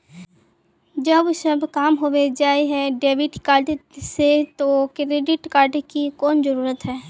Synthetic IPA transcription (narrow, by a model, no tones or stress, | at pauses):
d͡ʒɐbʃɐbʱkaːmɦoːʋed͡ʒaːeɦɛɖeːʋɪʈkaːɾɖset̪okɾeːɖɪʈkaːɾɖkikɔːnzəɾuːɾət̪ɦɛː